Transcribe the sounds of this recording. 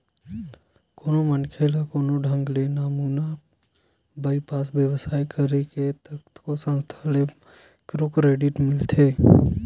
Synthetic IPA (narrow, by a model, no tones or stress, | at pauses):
koːnomənkʰeːlakoːnoɖʱə̃ŋɡleːnaːmuːna | baipaːsbjəʋsaːjkəɾeket̪əkt̪ʰkosə̃nst̪ʰale | kɾoːkɾeːɖɪʈmɪlt̪ʰeː